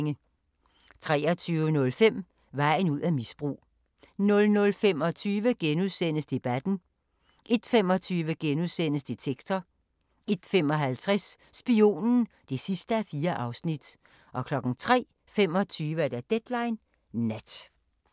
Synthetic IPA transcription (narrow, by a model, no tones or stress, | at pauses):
ŋə | t͡sʰʁɛ̰ːɐt͡sʰyːʊənɔ̽lfem̰ | ʋɑ̈ɪ̰n̩uð̞̰ˠæmisb̥ʁṵː | nɔ̽lnɔ̽lfem̰ɒ̽t͡sʰyːʋəɡ̥enuðˠsenəsd̥e̝b̥æd̥n̩ | ʔe̝d̥fem̰ɒ̽t͡sʰyːʋəɡ̥enuðˠsen̰əsd̥et͡sʰeɡ̥t͡sʰɐ | e̝d̥femɒ̽ɦælt͡sʰʁɛs | sb̥io̝̰ːnn̩ | d̥e̝sisd̥əæfiːɐʔɑ̈ʊsnid̥ | ʔɒ̽kʰlɒ̽ɡ̥n̩t͡sʰʁɛ̰ː | fem̰ɒ̽t͡sʰyːʋəæd̥æd̥ed̥lɑ̈ɪn | næd̥